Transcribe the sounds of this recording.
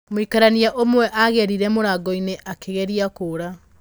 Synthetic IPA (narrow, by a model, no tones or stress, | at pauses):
moikaɾaniaʔomwɛʔaɣɛɾiɾɛmoɾaːɡɔineʔakeɣɛɾiakoːɾa